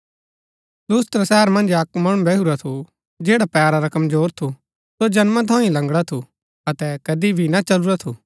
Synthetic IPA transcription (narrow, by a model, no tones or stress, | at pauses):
luːst̪ɾasɛɦəɾmɐ̃nd͡ʒɐkmɐɽ̃ũbɛɦuɾat̪ʰu | d͡ʒeːɽapɛːɾaɾɐkɐmzoːɾt̪ʰu | sod͡ʒɐnmãt̪̬ʰɔ̃ːĩlɐ̃ŋɡɽat̪ʰu | ɐt̪ɛkɐd̪ibʱinat͡ʃɐluɾat̪ʰuː